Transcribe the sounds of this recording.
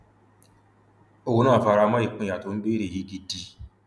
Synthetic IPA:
o˨wu˦nãː˦˨fa˧ɾa˧˦ma˦i˨k͡pũ˦˨ja˨to˨˦n̩˦be˦ɾe˨ɦi˦ɡi˦di˦

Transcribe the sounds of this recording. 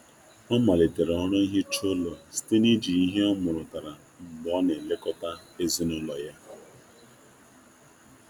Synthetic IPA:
ɔ˦ma˨le˨te˨ɾɔ˦ɾɔ˦i˦ɦɪ˦t͡ʃo˦lo˨si̥˦te˦ni˦d͡ʒi˨i˦ɦe˦ɔ˦mʊ˨ɾʊ˨ta˨ɾa˨ | ŋ͡m̩˨ɡ͡bɔ˨˦ne˨le˦kɔ˦ta˦e˦zi˦nʊ˦lɔ˨ja˦

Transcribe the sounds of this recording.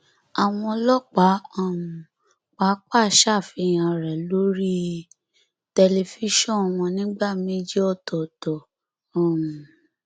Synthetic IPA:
a˨w̃ɔ̃˧lɔ˦k͡pa˨˦ã˦˨mũ˨ | k͡pa˨˦k͡pa˦˨ʃa˦˨fi˧˨j̃ã˧ɾɛ˨lo˨˦ɾi˦ | tɛ˧le˧fi˦ʃɔ̃˦˨w̃ɔ̃˧nĩ˦ɡ͡ba˦˨me˦d͡ʒi˦ɔ˦˨tɔ˨tɔ˨ | ɔ̃˨mũ˨

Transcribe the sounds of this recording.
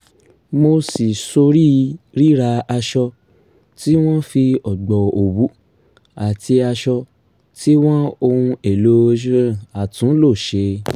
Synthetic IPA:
mo˧si˨so˧ɾi˦ɾi˦ɾa˧a˧ʃɔ˧ | ti˦w̃ɔ̃˦fi˧ɔ˨ɡ͡bɔ˨o˨wu˨˦ | a˨ti˧a˧ʃɔ˧ | ti˦w̃ɔ̃˦o˧hũ˧e˨lo˨˦˧d͡ʒũ˦˨a˨tũ˨˦lo˦˨ʃe˧

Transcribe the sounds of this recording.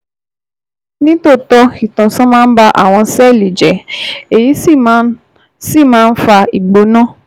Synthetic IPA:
nĩ˦to˦˨tɔ˧i˨tã˨sɔ̃˦mãː˦n̩˦ba˦ʔa̰˦˨w̃ɔ̃˧sɛ˦˨li˨d͡ʒɛ˨e˨ji˨˦si˦˨˦ | si˦˨mãː˦˧n̩˦fa˧i˨ɡ͡bo˨˦nãː˦˨

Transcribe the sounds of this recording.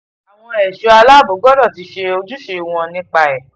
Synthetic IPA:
a˨w̃ɔ̃˧ɛ˨ʃo˧a˧la˦˨bo˨˦ɡɔ˦dɔ˦˨ti˧˦ʃe˧o˧d͡ʒu˦ʃe˧w̃ɔ̃˧nĩ˧k͡pa˧ɛ˨

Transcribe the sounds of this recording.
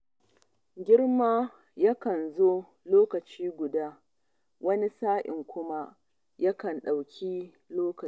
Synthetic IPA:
ɡʲɪ˦ɽma˦ | jɐ˦kɐ˨nzoː˦ | loː˦kɐ˨t͡ʃiː˦ɡʷʊ˨daː˦ | wɐ˦ni˦saː˦ʔʲɪ̰˨ŋkʷʊ˦ma˦ | jɐ˦kɐ˨nɗa˨wkʲʰi˦ | loː˦k

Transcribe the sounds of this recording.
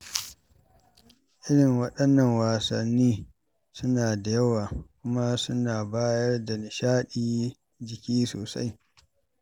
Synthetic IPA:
ʔɪ˦ɽɪ˨ŋwɐ˦ɗɐ˦nːɐ˦˨ŋwaː˨sɐ̰˨nːiː˦ | sʊ˦naː˨da˨jɐ˦waː˨kʷʊ˦ma˦sʊ˦naː˨baː˦jɐ˦rda˨nɪ˨ʃaː˦ɗiː˦ | d͡ʒɪ˨kʲiː˦so̰ː˨sa̰˦j

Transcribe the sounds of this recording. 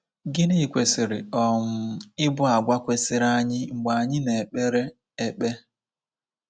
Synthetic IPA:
ɡɪ˦nɪ˦˨kʷe˨sɪ˨ɾɪ̰˨ɔ˨m̩˦ɪ˦bʊ˦a˨ɡʷa˦kʷe˦sɪ˨ɾa˦ɲɪ˦ŋ͡m̩˨ɡ͡ba˨a˨ɲɪ˦ne˨k͡pe˦ɾe˦ | e˨k͡pe˦

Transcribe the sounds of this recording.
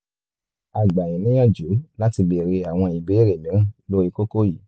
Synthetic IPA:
a˨ɡ͡ba˨j̃ĩ˨˦nĩ˦j̃ã˦˨d͡ʒu˨˦la˦ti˧bɛ˨ɾe˧a˨w̃ɔ̃˧i˨be˨˦ɾe˨nĩ˨˦˨lo˦i˧ko˦ko˦ji˨˦

